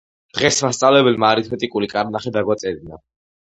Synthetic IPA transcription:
dd̪̥ʁɛsmast̪sʼavlɛbɛlmaːɾit̪ʰmɛt̪ʼikʼulikʼaɾnaχɛd̪aɡwat̪sʼɛd̪ina

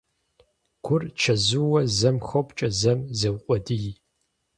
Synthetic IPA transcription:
ɡ̥ʷʰʊrt͡ʃʰɐzɨwɐzɐmxɐwpt͡ʃʼɐzɐmzɐwqʷʼɔdɨji

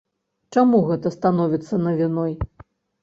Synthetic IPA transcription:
t͡ʂamuɣɛt̪ɐst̪anɔvʲit̪sːɐnɐvʲinɔj

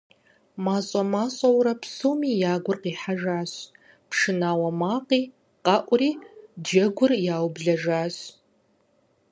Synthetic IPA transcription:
maːɕʼɐmaːɕʼɐwɾɐpsuwmiːjaːɡʷʊrqiːħaʒaːɕ | pʰʂɨnaːwɐmaːqiː | qɑʔʷʊriːd͡ʒɐɡʷʊrjaːwbɮɐʒaːɕ

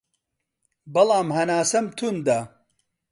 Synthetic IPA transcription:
bɐlˠɑːmhɐnaːsɐmt̪ʰund̪a

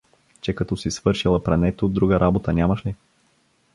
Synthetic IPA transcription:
t͡ʃɛkɐt̪ɔsisvɤɾʃilˠɐpɾɛnɛt̪od̪ɾuɡəɾʔabot̪ənʲamɐʃli

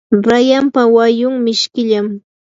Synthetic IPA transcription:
ɾajampawajʊŋmɪʃkɪʎam

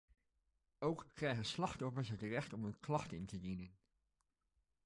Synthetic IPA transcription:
owkːrɛjχənslɑχtɔfəɹsɦətrɛχtɔmənklɑχtɪntədinən

